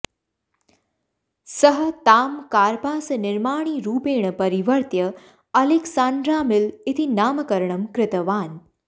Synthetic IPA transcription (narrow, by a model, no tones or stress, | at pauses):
səɦə̆t̪aːmkaːɾpaːsɐnɪɾmaːɳ̃iːɾuːpeːɳ̃əpɐɾiʋəɾt̪jə | ɐliksaːnd̪ɾaːmɪlit̪ʰinaːmɐkɐɾɳəmkɾɪt̪əʋaːn